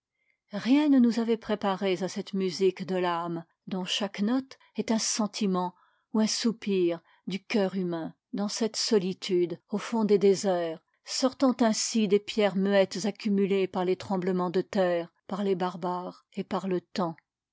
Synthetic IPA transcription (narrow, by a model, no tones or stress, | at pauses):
ʁjɛ̃nənuzavɛpχepaʁezasɛt̪myzikd̪əlam | d̪ɔ̃ʃaknɔt̪ | ɛt̪ɛ̃sɑ̃t̪ʰimɑ̃ | uɛ̃supiʁ | d̪ykʲœʁymɛ̃ | d̪ɑ̃sɛt̪sɔlit̪ʰyd̪ofɔ̃d̪ed̪ezɛːʁ | sɔʁt̪ɑ̃t̪ɛ̃sid̪epjɛʁmyɛt̪zakʲymylepaʁlet̪χɑ̃bləmɑ̃d̪ət̪ɛːʁpaʁlebaʁbaːʁ | epaʁlət̪ɑ̃